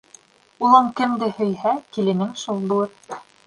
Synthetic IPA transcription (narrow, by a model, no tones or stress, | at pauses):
ulˠɤɴkɘ̆md̪ɘhɵ̆jhækilɘ̆nɘŋʃulˠd̪ŭɤp